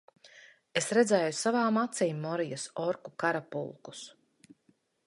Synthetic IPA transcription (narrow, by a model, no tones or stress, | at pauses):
esɾɛd̪zɛːjusavaːmat̪siːmːɔɾijasɔɾkukaɾapṵlˠku̥s